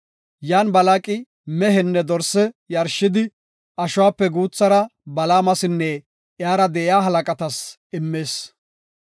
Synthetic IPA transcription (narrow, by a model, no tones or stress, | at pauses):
jaːnbɐlaːkʼɪ | mɛɦɛnːɛd̪ɔɾsɛjɐɾʃɪd̪ɪ | ɐʃʊwaːpːɛɡuːt͡sːɐɾɐbɐlaːmɐsɪnːɛ | ʔɪjaːɾɐd̪ɛʔɪjaːɦɐlɐkʼɐt̪ɐs | ɪmːe̞ːs